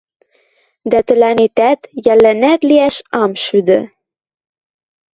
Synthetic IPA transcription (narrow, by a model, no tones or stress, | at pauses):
d̪æt̪ɘ̆lænet̪æt̪jælːænæt̪liæʃɑmʃyd̪ɘ̆